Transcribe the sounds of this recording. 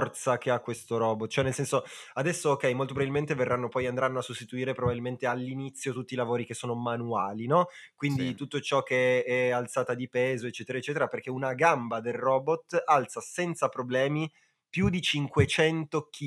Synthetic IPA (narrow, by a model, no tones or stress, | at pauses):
rt̪sak̟eakːwest̪oɾɔbot̪̚t͡ʃːoɛnelsɛnsoad̪ɛsːoːk̟ːɛjmolt̪opɾvailment̪everːanːopɔjand̪ɾanːoasːust̪it̪uiːɾepɾobabilment̪ealːinit̪sːjot̪ut̪ːilavoːɾikesːoːnomanuaːlinɔ | kwind̪it̪ut̪ːot͡ʃɔkːeɛalt̪saːt̪ad̪ipɛːzoet͡ʃːɛːt̪eɾaet͡ʃːɛːt̪eɾaperkeunaɡambad̪elrɔbot̪ːalt̪sasɛnt̪sapɾoblɛːmi | pjud̪it͡ʃiŋkwet͡ʃɛnt̪okʰi